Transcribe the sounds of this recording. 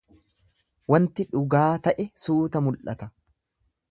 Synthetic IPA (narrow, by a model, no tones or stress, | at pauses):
wɐnt̪ɪᶑʊɡaːt̪ɐʔɛsuːt̪ɐmʊlʔɐt̪ɐ